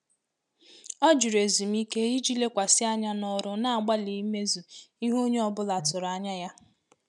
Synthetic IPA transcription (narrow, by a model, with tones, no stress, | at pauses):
ɔ˦d͡ʒu˨ɾe˨zi˨m̩˦i˦ke˦i˦d͡ʒi˦le˦kʷa˨sɪ˦a˦ɲa˦nɔ˦ɾʊ˦na˦˨a˨ɡ͡ba˦li˨i˦me˦zu˨i˦ɦo˦ɲe˦ɔ˦bʊ˦la˨tʊ˨ɾa˨˦ɲa˦ja˦